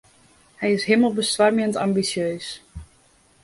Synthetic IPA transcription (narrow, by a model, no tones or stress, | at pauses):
hɛjɪsɦiəməlˠbəstʋarmjəntambisjøːs